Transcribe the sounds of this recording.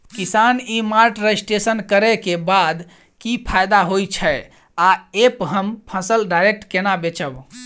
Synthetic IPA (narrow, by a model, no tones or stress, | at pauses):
kisanimaɾʈɾesʈesənkəɾɛkebad̪ | kipʰajd̪aɦojt͡ʃʰɛ | aepɦəmpʰəsəlɖaɾek̚ʈkenabet͡ʃəb